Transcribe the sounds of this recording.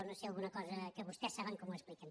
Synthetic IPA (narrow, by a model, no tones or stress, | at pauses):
onosialˠɣunɐkɔzɐkəβust̪ɛsːaβəŋkɔmuespliken